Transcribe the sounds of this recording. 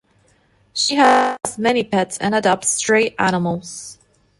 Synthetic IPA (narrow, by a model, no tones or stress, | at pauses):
ʃiəzmɛnipʰɛtsɨ̰̃nɨdɑp̚tstɹ̥eɪɾænəml̩ˠz̥